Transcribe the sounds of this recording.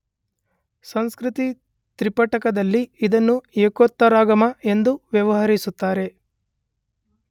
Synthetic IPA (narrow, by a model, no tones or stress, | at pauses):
sɐŋskɾit̪i | t̪ɾipɐʈɐkɐd̪ɐlːiid̪ɐnːueːkot̪ːɐɾaːɡɐmɐe̞nd̪uʋjɐʋɐɦɐɾisut̪ːaːɾe̞